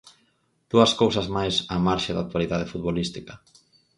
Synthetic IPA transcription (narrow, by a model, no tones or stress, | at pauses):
d̪̥uɐskowsɐzmajsamaɾʃaða̰k̚t̪waliðaðefut̪̚βolist̪ikɐ